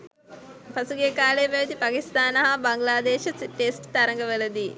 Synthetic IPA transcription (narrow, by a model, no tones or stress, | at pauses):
pɐsuɡjekaːleːʋɐʋɐd̪ipaːkist̪aːnɐɦɐbɐŋɡlaːd̪eːʃɐʈesʈt̪ɐɾɐŋɡəʋəlɐd̪i